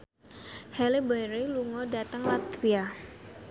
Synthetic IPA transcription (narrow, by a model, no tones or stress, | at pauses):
hɛlebaɾeluŋɔdat̪əŋlat̪fia